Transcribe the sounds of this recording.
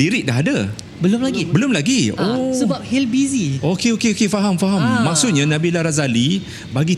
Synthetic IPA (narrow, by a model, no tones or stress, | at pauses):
iɾɪʔ̚daɦada | bəlʊmlaɡibəlʊmlaɡiosəbap̚hilbiziokeokeokefaɦamfaɦamːak̚sʊt̪̚ɲãnãbilaɾazali | baɡi